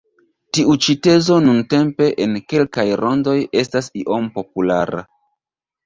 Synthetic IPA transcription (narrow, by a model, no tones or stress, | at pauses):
tiut͡ʃite̞zo̞nunte̞mpe̞ʔenke̞lkajɾʔo̞ndo̞je̞stasiʔo̞mpo̞pula̰ɾa̰